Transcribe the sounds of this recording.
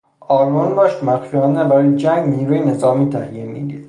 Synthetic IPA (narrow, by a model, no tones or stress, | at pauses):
ɒːlbonbɒːʃt̪mæt̪fiɒːnebæɾɒːjed͡ʒæŋɡniːɾuːjenezɒːmiːt̪ʰæhjimiːd̪id̪